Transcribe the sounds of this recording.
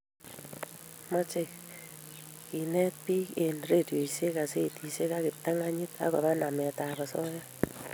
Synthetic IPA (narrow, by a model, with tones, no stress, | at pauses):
mɔ˦t͡ʃe˦˨ | ki˨nɛ˦t̚pi˦ke˨nre˦˨di˨o˨i˨se˦ka˨se˦˨ti˨se˦ka˦kɪ˨p̚ta˦ŋa˦ɲɪ˦ta̰˨˦kɔ̰˨βa˦na˨mɛ˨ta˨βa˨sɔ˦ja˦